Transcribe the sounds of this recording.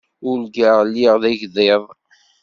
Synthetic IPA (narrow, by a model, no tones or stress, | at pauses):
ʊlɡaʁlːiʁðæʝðeðˤ